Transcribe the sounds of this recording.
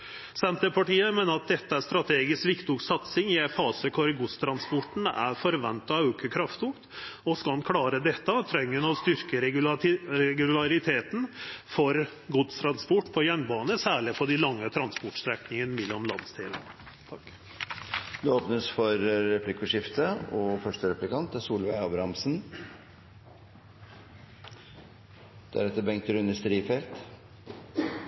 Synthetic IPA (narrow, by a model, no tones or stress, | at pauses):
sɛnt̪əpʰɑʈiːəmeːnəɾɑt̪̚d̪ɛt̪ːəæʂst̪ɾɑt̪ʰeːɡɪskʋɪkt̪ʊksɑt̪sɪŋɪɛfɑːsəkʰɔɾɡʊst̪ʰɾɑnspɔʈɳ̩æ̰ɾfɔɾʋɛ̰nt̪ɑɑʉkəkʰɾɑft̪ʊkt̪ɔskɑɑnkʰlɑːɾəd̪ɛt̪ːɑt̪ʰɾɛŋːənɔst̪ʏɾkəɾɛɾɛɡʉlɑɾɪt̪ʰeːt̪n̩fɔɾ | ɡʊd̪st̪ʰɾɑnspɔʈːpʰɔjœnbɑːnəsæːɭɪpʰɔɖ̪ɪlɑŋːət̪ʰɾɑnspʊʈst̪ɾɛknɪŋənəmɪlːɔmlɑ̰nd̪st̪ʰiːlən | t̪ʰɑk | d̪ɛoːpnəsfɔɾɾɛplɪkʊʂɪft̪ʰəɔfœʂʈəɾɛplɪkɑnt̪ːəsuːlʋæɪɑbɾɑmsn | d̪̥æ̰ɾɛt̪ːəbɛŋkt̪əɾʉnəst̪ɾiːfɛlt̪